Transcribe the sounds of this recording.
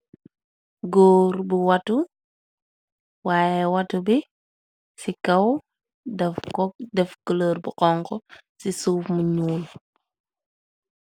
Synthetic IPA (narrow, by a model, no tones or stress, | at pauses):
ɡoːɾbuwatu | waːjewatubi | sikɐw | dɛfkɔdɛfkələːɾbuʔɔŋkɔsisuːfmuɲuːl